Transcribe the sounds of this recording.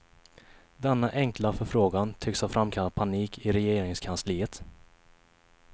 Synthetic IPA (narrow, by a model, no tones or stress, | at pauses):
d̪ɛnːaʔɛŋklafœɾfɾoːɡant̪ʰʏkshafɾamːkʰalat̪̚pʰaniːkʰɪɾɛjeːɾɪŋskʰansliːət̪